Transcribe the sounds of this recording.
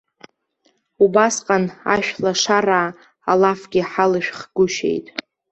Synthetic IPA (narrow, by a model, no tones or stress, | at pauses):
ubasqʼana̰ʃᶣlaʂaraː | alafɡʲɪħalɨʃᶣχɡ̥ʊʃḛjtʼ